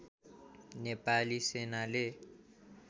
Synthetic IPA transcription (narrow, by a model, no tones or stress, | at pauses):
nepalisenale